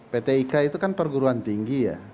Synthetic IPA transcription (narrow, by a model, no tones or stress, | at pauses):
pet̪eikait̪ukanpərɡuɾuant̪iŋɡija̰